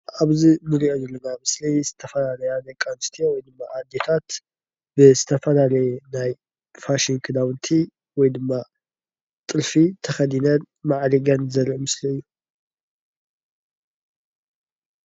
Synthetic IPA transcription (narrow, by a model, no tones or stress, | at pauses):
aβzinɨɾiʔonɛlːɐnamɨslizɨt̪ʰɐfɐlalɐjanajkʼanst̪ʰijowɔjd̪ɨmːaʔad̪et̪ʰat̪ | bɨzɨt̪ʰɐfɐlalɐjɛnaj | faʃiŋkʰɨd̪awnt̪ʰi | wɔjd̪ɨmːa | t̪ʼɨɾfit̪ʰɐxɐd̪inɐn | maʕliɡɐnzɐɾʔmɨsliɨjːu